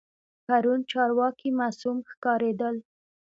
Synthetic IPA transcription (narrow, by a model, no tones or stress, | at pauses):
paɾunt͡ʃɑɾwɑkimɑsumxkɑɾed̪əl